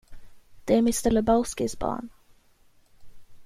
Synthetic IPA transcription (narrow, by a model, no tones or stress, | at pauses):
d̪̥ɛæɾmɪst̪ɛləbaʊskɪsbɑ̰ːɳ